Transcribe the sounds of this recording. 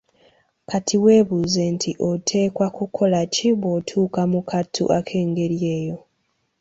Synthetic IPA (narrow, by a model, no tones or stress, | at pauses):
katʰiwe̞ːβuːze̞ntʰiʔotʰe̞ːkwakukʰo̞laciβotʰuːkamukʰatʰːṵʔakʰe̞ːŋɡe̞ɾje̞ːjo̞